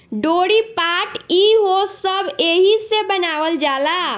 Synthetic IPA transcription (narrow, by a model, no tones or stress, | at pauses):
ɖoɽipaʈiɦosəbʱeɦisebənaʋəld͡ʒala